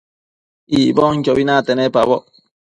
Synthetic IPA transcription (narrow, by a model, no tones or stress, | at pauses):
ibɔŋ̩kɔbinatɛnɛpa̰bɔ